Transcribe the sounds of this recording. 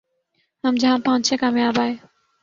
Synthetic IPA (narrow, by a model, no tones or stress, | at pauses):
həmd͡ʒãːmpãʊ̃nt͡ʃʰeːkaːmjaːbaːj